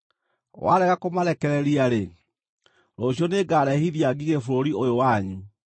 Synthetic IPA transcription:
wa̰ɾɛɣakomaɾɛkɛɾɛɾiaɾe | ɾoɕ̬iɔneɡaːɾɛhiðjaɡiɣefoɾoɾiojowaɲu

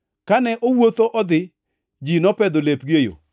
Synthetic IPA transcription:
kanɛʔowot̪oʔɔd̪ɪ | d͡ʒinɔpɛd̪olepɡejo̰

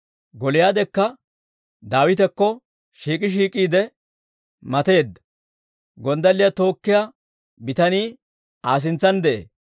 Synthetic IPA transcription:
ɡɔlɪjaːd̪ɛkːɐ | d̪aːwɪt̪ɛkːɔ | ʃiːkʼɪʃ̬iːkʼiːd̪ɛ | mɐt̪e̞ːd̪ːɐ̥ | ɡɔnd̪ɐlːɪjɐt̪o̞ːkːɪja | bɪt̪ɐniː | aːs̬ɪnt͡sːɐnd̪ɛʔḛː

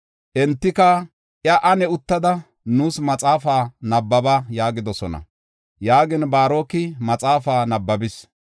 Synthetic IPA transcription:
ʔɛnt̪ːɪkɐ | ʔjɐʔɐnɛʊt̪ːɐd̪ɐ | nuːsmɐt͡sʼaːfaːnɐbːɐbɐjaːɡɪd̪ɔsɔnɐ̰ | jaːɡɪnbaːɾo̞ːkːɪmɐt͡sʼaːfaːnɐbːɐbɪs

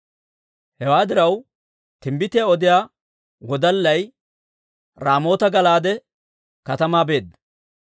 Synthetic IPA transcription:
hɛwaːd̪ɪɾɐw | t̪ɪmbɪt̪ɪjaɔd̪ɪjaː | wɔd̪ɐlːɐj | ɾaːmo̞ːt̪ɐɡɐlaːd̪ɛ | kɐt̪ɐmaːbe̞ːd̪ːɐ

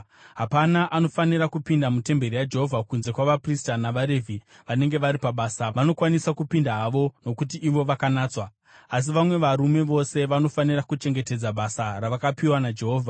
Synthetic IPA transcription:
ɦapanaʔano̞faniɾakupindamute̞mbe̞rijad͡ʒe̞ɦo̞vʱakunze̞kwaʋapristanaʋaɾe̞vʱi | ʋane̞ŋɡe̞ʋaɾipaɓaːsaʋano̞kwanisakupindaɦaʋo̞no̞kutiʔːʋo̞ʋakanaːt͡swa | as̬iʋamwe̞ʋaɾume̞ʋo̞se̞ʋano̞fanirakut͡ʃe̞ŋɡe̞ted͡zaɓasaraʋakapiwanad͡ʒe̞ɦoːvʱa

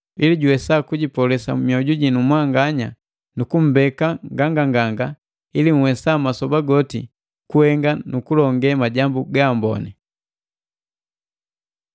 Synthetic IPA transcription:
iliɟuwɛsakuɟipɔlɛsa̰mmiɔɟuɟinumwaŋɡaɲa̰ | nukum̩bɛkaŋɡaŋɡaŋɡaŋɡa | ilim̩wɛsamasɔbaɡɔtḭ | kuhɛŋɡanukulɔŋɡɛmaɟambuɡaːmbɔ̰nɛ

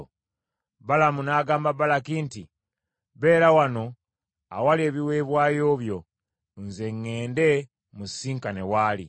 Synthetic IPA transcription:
balamunaːɡaːmbabalakinti | βe̞ːɾawano̞ | awalie̞ːβiwe̞ːβwaːjo̞ːβjo̞ | nze̞ŋːe̞ːnde̞ | musiːŋkane̞waːlḭ

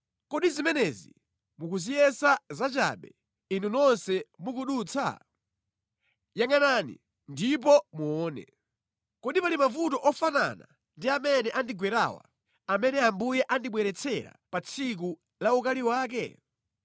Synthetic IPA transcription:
kɔɗizimɛnɛzḭ | mukuzijɛsazat͡ʃa̰ɓɛ | inunɔnsɛmukuɗuːt͡sʰa̰ | jaŋananḭ | ndip̬ɔmuɔːnɛ̰ | kɔɗipalimavutɔʔɔfana̰na̰ | ndiamɛnɛʔandiɡwɛɾa̰wa̰ | amɛnɛambujɛʔandiɓwɛɾɛt͡sʰɛɾa̰pat͡sʰik̬u | laukaliwaːk̬ɛ̰

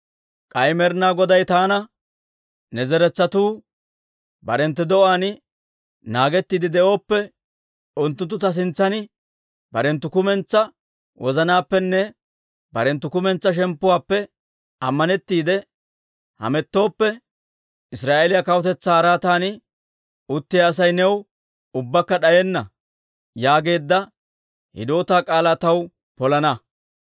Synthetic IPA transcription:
kʼɐjmɛɾnaːɡɔd̪ɐjt̪aːnɐ | nɛzɛɾɛt͡sːɐt̪uː | bɐɾɛnt̪ːɪd̪ɔʔaːnɪ | naːɡɛt̪ːiːd̪ɪd̪ɛʔo̞ːpːɛ | ʔʊnt̪ːʊnt̪ːʊt̪ɐs̬ɪnt͡sːɐnɪ | bɐɾɛnt̪ːʊkʊmɛnt͡sːɐ | wʔɔzɐnaːpːɛnːɛ | bɐɾɛnt̪ːʊkʊmɛnt͡sːɐʃ̬ɛmpːʊwaːpːɛ | ɐmːɐnɛt̪ːiːd̪ɛ | hɐ̰mɛt̪ːo̞ːpːɛ | ɪsɾaːʔelɪjɐkɐwʊt̪ɛt͡sːaːɾaːt̪aːnɪ | ʊt̪ːɪjaːs̬ɐjnɛw | ʊbːɐkːɐɗɐjɛnːɐ | jaːɡe̞ːd̪ːɐ | hɪ̰d̪o̞ːt̪aːkʼaːlaːt̪ɐw | pɔlɐnɐ

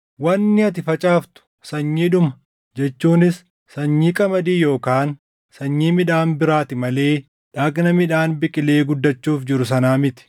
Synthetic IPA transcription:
wɐnːɪɐt̪̬ɪfɐt͡ʃʼaːft̪ʊ̥ | sɐɲːiːᶑʊmɐ | d͡ʒɛt͡ʃːuːnɪsː | ɐɲːiːkʼɐmɐd̪iːjo̞ːkaːn | sɐɲːiːmɪᶑaːnbɪɾaːt̪ɪmɐle̞ː | ᶑaːɡnɐmɪᶑaːnbɪkʼɪle̞ːɡʊd̪ːɐt͡ʃːuːfd͡ʒɪɾʊs̬ɐnaːmɪt̪ɪ̥

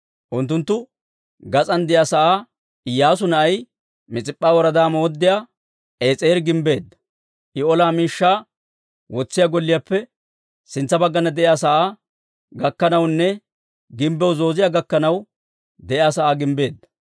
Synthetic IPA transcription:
ʔʊnt̪ːʊnt̪ːʊ | ɡɐt͡sʼɐnd̪ɪjasɐʔaː | ɪjːaːs̬ʊnɐʔɐj | mɪt͡sʼɪpʼːaːwɔɾɐd̪aːmɔːɔd̪ːɪjaː | ʔe̞ːt͡sʼeːɾɡɪmbe̞ːd̪ːɐ̥ | ʔɪɔlaːmiːʃːaː | wɔt͡sːɪjaːɡɔlːɪjaːpːɛ | sɪnt͡sːɐbɐɡːɐnɐd̪ɛʔjaːsɐʔaː | ɡɐkːɐnɐwnːɛ | ɡɪmbɛwzo̞ːzɪjaːɡɐkːɐnɐw | d̪ɛʔɪaːsɐʔaːɡɪmbe̞ːd̪ːɐ

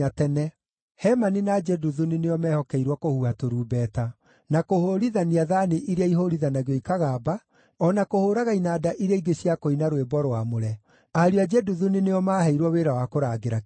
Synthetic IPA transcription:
atɛnɛ | hɛmaninad͡ʒɛduðunineɔmɛhɔkɛiɾwɔkohuhatoɾuːbɛta | nakohoɾiðaniaðaneʔiɾeaiɦoɾiðanaɣoikaɣaːba | ɔnakohoɾaɣainaːdaʔiɾeaiɡeɕiakoinaɾwebɔɾowamoɾɛ | aɾiad͡ʒɛduðunineɔmaːhɛiɾwɔweɾawakoɾaːɡeɾa

